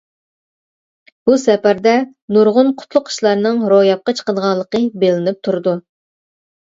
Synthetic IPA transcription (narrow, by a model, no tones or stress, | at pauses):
b̥usɛpæɾd̪ɛ | nuɾʁʊnqʰʊ̥t̪ʰlˠʊqʰi̥ʃlˠɑɾnɨŋɾojɑp̚qɑt͡ʃʰə̥qəd̪əʁɑnlˠːəqəbelɪnɪp̚t̪ʰuɾɨd̪u